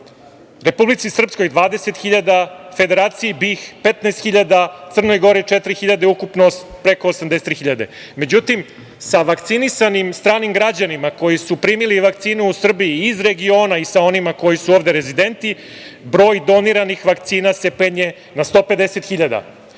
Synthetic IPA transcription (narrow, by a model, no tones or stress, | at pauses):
ɾe̞publit̪sisr̩psko̞jd̪ʋaːd̪e̞set̪xiʎad̪afe̞d̪e̞ɾaːt̪sijibixpet̪nast̪xiʎad̪at̪sr̩no̞jɡo̞ɾit͡ʂet̪ɾixiʎad̪eukupnopɾekoːsamd̪eset̪ɾixiʎad̪e̞ | me̞d͡ʑut̪im | saʋakt̪sinisanimst̪ɾaːnimɡɾad͡ʑanimako̞jisupɾiːmiliʋak̚t̪siːnuusr̩bijiːzɾe̞ɡio̞ːnaisao̞nimako̞jisuovd̪e̞ɾezid̪e̞nt̪i | bɾo̞ːjd̪o̞niɾanixʋak̚t̪siːnase̞peɲe | nast̪o̞ːpe̞d̪ese̞t̪xiʎad̪a̰